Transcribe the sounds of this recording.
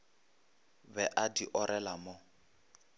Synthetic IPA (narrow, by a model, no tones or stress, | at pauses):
bɛʔadiʔɔɾɛlamɔ